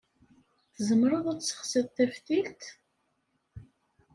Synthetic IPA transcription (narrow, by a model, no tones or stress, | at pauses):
θəzəmːɾəðˤæt͡ssə̥χsæðθæfθilt̪